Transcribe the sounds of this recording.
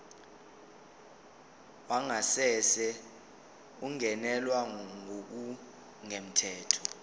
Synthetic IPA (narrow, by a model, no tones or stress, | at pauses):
waŋasɛsɛ | uŋʱɛnɛlwaŋok̬u | ŋem̩tʰɛːtʰɔ̥